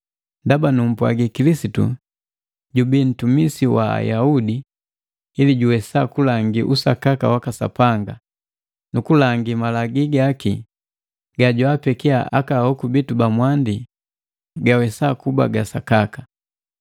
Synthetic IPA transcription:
ndabanum̩pwa̰ɡikilisitṵ | ɟubin̩tumisiwa̰a̰jaudiː | liɟuwɛsakulaŋɡiʔusakaka̰wakasa̰paŋɡa | nukulaŋɡimalaɡiɡaːki | ɡaɟɔapɛkiaʔa̰kahɔkubitubamwandi | ɡawɛsakuba̰ɡasakakḁ

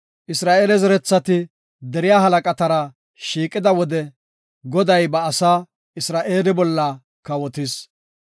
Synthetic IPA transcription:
ʔɪsɾaːʔeːlɛzɛɾɛt͡sːɐt̪ɪ | d̪ɛɾɪjaːɦɐlɐkʼɐt̪ɐɾɐ | ʃiːkʼːɪd̪ɐwɔd̪ɛ | ɡɔd̪ɐjbɐːsaː | ɪsɾaːʔeːlɪbɔlːɐ | kɐwɔt̪ɪs

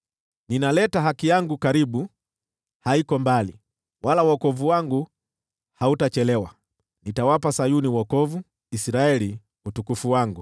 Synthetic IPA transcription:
ninalɛtaɦakijaŋɡukaɾiɓu | haikɔmbali | walawɔkɔvuwaŋɡu | hautat͡ʃɛlɛwa | nitawapasajuniwɔkɔvu | isɾaɛli | utukufuwaŋɡu

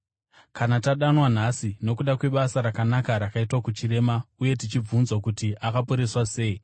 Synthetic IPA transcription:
kanataɗanwan̤asino̞kuɗakwe̞ɓasaɾakanakaɾakaitwakut͡ʃiɾe̞mauje̞t̬it͡ʃib͡vunzwakutiʔakapoɾe̞swase̞ːi

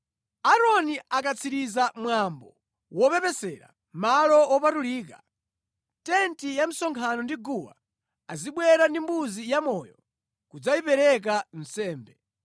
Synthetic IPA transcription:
aɾɔniakat͡sʰiɾizamwambɔ | wɔpɛpɛsɛɾa̰ | malɔɔpatuliːka | tɛntijam̩sɔŋkʰanɔndiɡuwa̰ | aziɓwɛɾandimbuzijamɔjɔ | kud͡zaipɛɾɛk̬an̩sɛːmbɛ

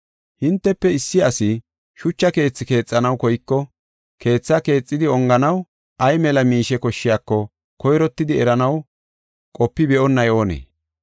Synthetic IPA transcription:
hɪnt̪ːɛpːɛɪsːɪɐsɪ | ʃʊt͡ʃːɐke̞ːt͡sːɪke̞ːt͡sʼːɐnɐwkɔjkːɔ | kʰe̞ːt͡sːɐke̞ːt͡sʼːɪd̪ɪɔŋɡɐnɐw | ʔɐjmɛlɐmiːʃɛkɔʃːɪjaːkːɔ | kɔjɾɔt̪ːɪd̪ɪɛɾɐnɐw | kʼɔpːɪbɛʔɔnːɐjo̞ːnḛː

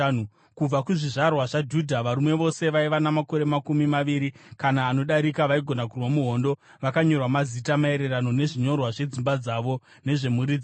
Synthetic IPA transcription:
u | kub͡vakuʐiʐarwaʐad͡ʒudʱaʋaɾumwe̞ʋo̞se̞ʋaiʋanamako̞ɾe̞makumimaʋiɾikanaːno̞ɗaɾikaʋaiɡʱo̞nakurwamuɦo̞ndo̞ | ʋakaɲo̞rwamazitamae̞ɾe̞rano̞ne̞ʐiɲo̞rwaʐe̞d͡zimbad͡zaːʋo̞ | ne̞ʐe̞muɾid͡z

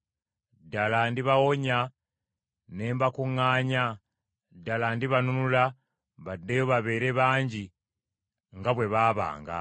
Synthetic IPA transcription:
dalandiβawo̞ɲa | ne̞ːmbakuŋaːɲa | dalandiβanunula | βadːejoβaβe̞ːɾe̞βaːɲɟi | ŋɡaβwe̞βaːβa̰ːŋɡa̰

